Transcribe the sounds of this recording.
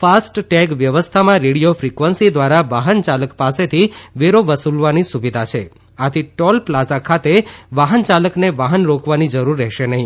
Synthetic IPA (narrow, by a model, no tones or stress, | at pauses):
fasʈʈɛɡʋjəʋəst̪ʰamãɾeɽijofɾikʋənsid̪ʋaɾaʋaɦənt͡ʃaləkpaset̪ʰiʋeɾoʋəsulʋanisuʋid̪ʱat͡ʃʰe | at̪ʰiʈɔlplad͡ʒakʰat̪eʋaɦənt͡ʃaləkneʋaɦənɾokʰʋanid͡ʒəɾuɾːɛɦʃenəɦĩ